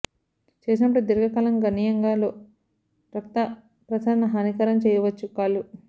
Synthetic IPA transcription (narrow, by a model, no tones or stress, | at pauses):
t͡ʃeːs̬inɐpːɐɽud̪iɾɡɐkɐːlɐŋɡɐnijɐŋɡaːloː | ɾɐkt̪ɐ | pɾɐd̪ʰʱaːɾɐnɐɦaːnikɐɾɐmt͡ʃɛːjɐʋɐt͡ʃːukaːlu